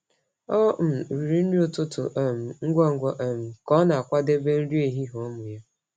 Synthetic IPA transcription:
ɔ˦m̩˨ɾi˨ɾi˦n̩˦di˦o˨tʊ˦tʊ̰˨ʔm̩˨ŋ̩˦ɡʷɔ˦ŋ˦ɡʔm̩˨kɔ˦na˨a˨kʷa˦de˦be˦n̩˦ɾi˦e˨ɦi˦ɦo˨˦mʊ˨ja˦

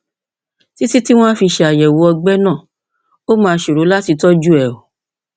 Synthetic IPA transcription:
ti˦ti˦ti˦w̃ɔ̃˦fi˧ʃɛ˧˨a˨jɛ˨wo˨˦ɔ˧ɡ͡bɛ˦nã˦˨ | o˦mãː˧˦ʃo˨ɾo˨˦la˦ti˧tɔ˦d͡ʒu˦ɛ˨o˨

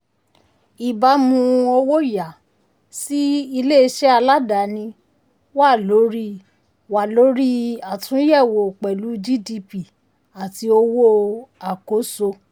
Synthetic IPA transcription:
i˨ba˧˦mũ˧o˧wo˦ja˨ | si˦i˧le˦˧ʃɛ˦a˧la˦da˨nĩ˧ | wa˦˨lo˨˦ɾi˦ | wa˨lo˨˦ɾi˦a˨tʰũ˨˦jɛ˦˨wo˨k͡pɛ˨lu˨˦d͡ʒi˦di˧pi˨ | a˨ti˧o˧wo˦a˨ko˨˦so˧

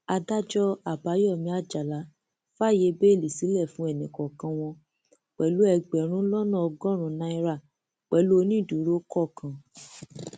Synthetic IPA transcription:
a˧da˦d͡ʒɔ˦a˨ba˨˦jɔ˦˨mĩ˧˦a˦˨d͡ʒa˨la˨˦ | fa˦˨je˧be˦˨li˨si˨˦lɛ˦˨fũ˦ɛ˦˨nĩ˨kɔ˨kã˧w̃ɔ̃˧ | k͡pɛ˨lu˦ɛ˧˨ɡ͡bɛ˨ɾ̃ũ˨˦lɔ˦nã˦˨ɔ˧ɡɔ̃˦ɾ̃ũ˨˦nã˧i˧ɾa˦˨ | k͡pɛ˨lu˦o˧nĩ˦˨du˨˦ɾo˦kɔ˦˨kʰã˨

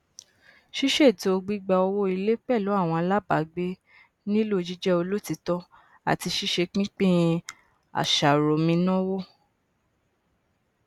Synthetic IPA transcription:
ʃi˦ʃe˦˨ti˧o˧ɡ͡bi˦ɡ͡ba˧ɔ˧wo˦i˧le˦k͡pɛ˦˨lo˨˦a˦˨w̃ɔ̃˧a˧la˦ba˨˦ɡ͡be˦ | nĩ˦lo˦˨d͡ʒi˦d͡ʒɛ˦o˧lo˦ti˧tɔ˦ | a̰˨ti˧ʃi˦ʃe˧k͡pĩ˦k͡pĩ˦˧ | a̰˨ʃa˨ɾo˨mĩ˧nɔ̃˦wo˦

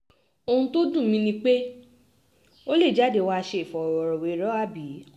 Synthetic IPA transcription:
o˧hũ˧to˦dũ˦˨mĩ˧nĩ˧k͡pe˦ | o˦le˦˨d͡ʒa˦de˨˧˨wa˦˧ʃe˧˦˨fɔ˨ɔ˨wɔ˨ɾɔ˨we˨˦ɾɔ˦a˦bi˨˦

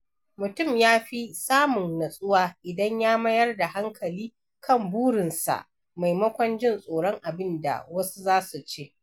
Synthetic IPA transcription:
mʊ˨tʊ˦˨mjaː˦ɸi˦saː˦mʊ˨ŋnɐ˨sʼʊ˦waː˦ʔɪ˨dɐ˦ɲjaː˦mɐ˦jɐ˦rda˨ɦa˦ŋkʰɐ˨liː˦ | kʰɐ˦˨mbuː˦ɽɪ˨nsa̰˨ʔ | ma˨jmɐ˦kʷɐ˦nd͡ʒɪ˦nsʼoː˨ɽɔ˦ŋʔa˨bɪ˦nda̰˨wɐ˦su˦zaː˦su˨t͡ʃeː˦

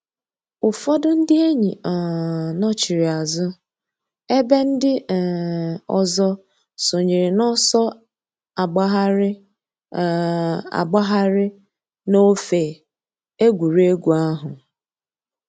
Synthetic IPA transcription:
ʊ˨fɔ˦dʊ˦n̩˦dɪ˦e˦ɲḭ˨nɔ˦t͡ʃi˨ɾi˨a˨zʊ˦ | e˦be˦n̩˦dɪ˦˨ | ɔ̰˨zɔ˦ | so˨ɲe˨ɾɪ˨nɔ˦sɔ˦ | a˨ɡ͡ba˦ɦ | a̰˨ɡ͡ba˦ɦa˦ɾɪ˦ | no˦fe˨ | e˦ɡʷu˨ɾe˦ɡʷu˨a˦ɦʊ˨

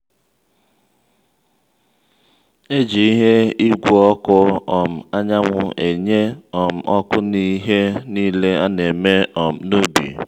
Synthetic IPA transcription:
e˦d͡ʒi˨i˦ɦe˦i˦ɡʷɔ˦kʊ˦ɔ˨m̩˨a˦ɲa˦ŋʷʊ˦e˨ɲe˦ɔ˨m̩˨ʔɔ˦kʊ˦ni˦ɦe˦niː˦le˦a˦ne˨me˦ɔ˨m̩˨nu˦bḭ˨

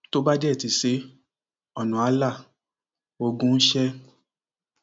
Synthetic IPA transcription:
to˦ba˦d͡ʒɛ˦˨ti˨˦se˨˦ | ɔ˨nũ˨a˨˧˦la˦˨ | o˧ɡũ˦n̩˦ʃɛ˦

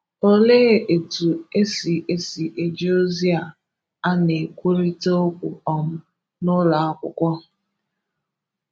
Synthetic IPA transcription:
o˦leː˦˨e˨tu˨e˦si˨ʔe˦si˨ʔe˨d͡ʒo˦zi˦a˨ | a˦ne˨kʷu˦ɾi˦to˦o˦kʷu˨ɔ˨m̩˦ | nʊ˦la˨a˦kʷʊ̰˨kʷɔ˦

